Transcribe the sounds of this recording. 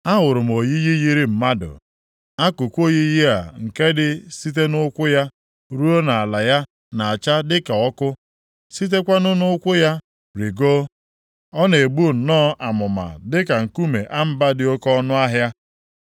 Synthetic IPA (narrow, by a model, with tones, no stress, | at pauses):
a˦ɦʊ˨ɾʊ˨m̩˨o˨ji˦ji˦ji˦ɾi˦m̩˨ma˦dʊ̰˨ | a˦kʊ˨kʷo˦ɣi˦ji˦a̰˨ŋ̩˨ke˦dɪ˦si˦t̬e˦nʊ˦kʷʊ˦ja˦ | ɾu˦o˦na˨a˨la˨ja˦ | na˨a˨t͡ʃa˦dɪ˦ka˨ɔ˦kʊ˦ | si˦t̬e˦kʷa˦nʊ˦nʊ˦kʷʊ˦ja˦ | ɾi˨ɡo˦ | ɔ˦ne˨bu˦˨n̩˨nɔː˦ʔa˨mʊ˨ma̰˨dɪ˦ka˨ŋ̩˨ku˦me˨ʔa˦m̩˦ba˦dɪ˨o˦kɔ˦nʊ˦a˦ɦja˦